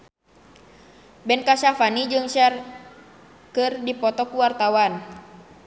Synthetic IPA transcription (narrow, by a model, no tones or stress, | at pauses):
bɛnkaʃafanid͡ʒɨŋʃɛr | kɨrdipɔt̪ɔkuwart̪awan